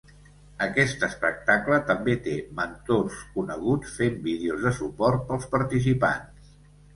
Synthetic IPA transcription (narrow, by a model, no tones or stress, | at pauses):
əkɛst̪əspək̚t̪aklət̪əmbet̪emənt̪oskunəɣ̞ut͡sfembiðeuzðəsupɔrt̪̚pəlˠspəɾt̪is̬ipa̰ns